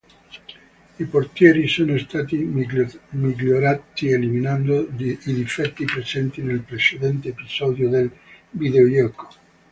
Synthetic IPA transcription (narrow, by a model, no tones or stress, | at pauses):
ipoɾt̪jeɾisonest̪at̪i | mikljoɾat̪ieliminãnd̪oiðifet̪ːipɾesent̪inelpɾeseðent̪eːpisoðjoðelbiðeojoko̥